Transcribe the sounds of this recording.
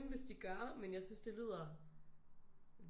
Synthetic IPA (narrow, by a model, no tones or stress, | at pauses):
nʋe̝sd̥iɡ̥ɶɐmenjaɪsynsd̥e̝lið̞̰ˠɐ | ʋ